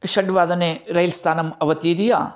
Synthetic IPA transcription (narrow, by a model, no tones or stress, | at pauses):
ʃɐɖʋaːd̪ɐneːɾɐjlst̪ʰaːnɐmɐʋɐt̪iːɾija̰ː